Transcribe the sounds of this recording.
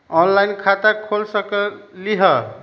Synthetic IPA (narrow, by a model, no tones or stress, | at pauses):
ɔnlajnkʰat̪akʰolsəkəliɦʌ